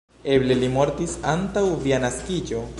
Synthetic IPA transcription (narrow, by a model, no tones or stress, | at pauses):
e̞ble̞limo̞ɾtisantawvianaskid͡ʒo̞